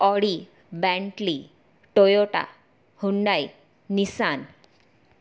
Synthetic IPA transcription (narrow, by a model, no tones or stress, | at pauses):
ɔɽi | bɛ̃ɳʈli | ʈojoʈa̰ | huɳɖaj | nisan